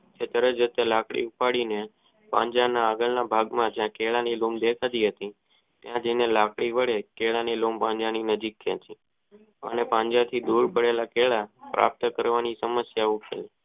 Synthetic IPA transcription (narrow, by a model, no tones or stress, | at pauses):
t͡ʃʰet̪əɾəd͡ʒət̪elakɽḭupaɽine | pã̰ɲd͡ʒanaːɡəlnabʱaɡmãd͡ʒjãkeɭanilumd̪ekʰad̪iɦət̪i | t̪jãd͡ʒənelakɽiʋəɭekeɭanilompãɲd͡ʒaninəd͡ʒikːẽt͡ʃʰi | ə̰nepãɲd͡ʒat̪ʰid̪uɾpəɽelakeɭapɾʔa̰p̚t̪kəɾʋanisəməsjaukel